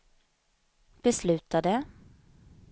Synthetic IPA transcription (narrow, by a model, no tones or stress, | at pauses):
b̥ɛslʉ̟ːt̪ad̪ə